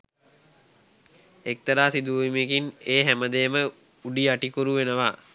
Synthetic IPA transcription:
ek̚t̪əɾaːsid̪uimekineːɦæməd̪emə | uɖiaʈikuɾuʋenəʋaː

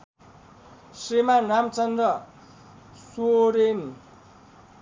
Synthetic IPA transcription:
srimanamt͡sʌnd̪rʌ | soɾen

